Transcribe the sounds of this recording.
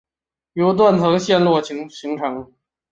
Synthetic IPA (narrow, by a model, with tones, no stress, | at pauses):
jo˧˥ʊt̪̬wa˥˩nt̪ʰɤ˧˥ŋɕjɛ˥˧nlwɔ˥˩t͡ɕʰi˧˥ŋɕi˧˥ŋʈ͡ʂʰɤ˧˥ŋ